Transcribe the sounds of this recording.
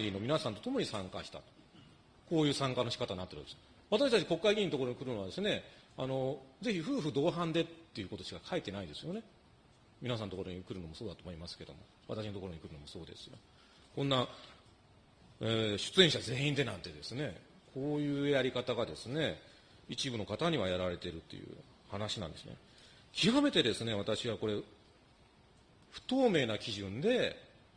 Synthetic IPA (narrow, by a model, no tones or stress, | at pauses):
ino̞minasãnt̪o̞t̪o̞mo̞ɲ̟isãŋkaɕi̥t̪a̰t̪o̥ | ko̞ːjɯ̟ːsãŋkanoɕi̥kat̪aɲnat̪ːeɾɯd̪es | βat̪aɕi̥t̪at͡ɕi̥ko̞kːaiɡʲĩnit̪ooɾoɲ̟ikɯ̟ɾɯno̞βad̪e̞sɨne̞ano̞ze̞çiɸɯ̟ːɸɯ̟d̪o̞ːɦãnd̪e̞t̪ːe̞jɯ̟ko̞t̪oɕi̥kakʰait̪e̞naid̪e̞sɨjo̞ne̞ | mʲinas̬ãnot̪okoɾoɲ̟ikɯ̟ɾɯ̟no̞mo̞so̞ːd̪at̪o̞ːmo̞imasɨ̥ke̞d̪omo̞̰ | βa̰t̪aɕino̞t̪o̞koɾo̞ɲikɯ̟ɾɯ̟nmo̞so̞ːd̪esɨ̥jo̰ | kõ̞nːa | eɕɨ̥t͡sɨẽ̞ɰ̃ɕaze̞ːĩnd̪e̞nãnt̪e̞d̪e̞sɨne̞ | kʰo̞ːjɯ̟ːjaɾʲikat̪aɡad̪e̞sɨne̞ | it͡ɕibɯ̟no̞kat̪aɲ̟iβajaɾaɾe̞t̪e̞ɾɯ̟t̪ːe̞̰jɯ̰ː | hanaɕinã̰nd̪e̞sɨnḛ | kʲʰiame̞t̪e̞d̪e̞sɨne̞β̞at̪aɕiβako̞ɾe̞ | ɸɯ̟̥t̪o̞ːme̞ːnakʲiʑɨ̃nd̪e̞